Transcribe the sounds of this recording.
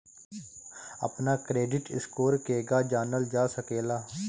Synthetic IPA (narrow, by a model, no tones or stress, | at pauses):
ə̰pnaːkɾeːɖɪʈɪ̰skoːɾkeːɡaːd͡ʒaːnəld͡ʒaːsəkeːlaː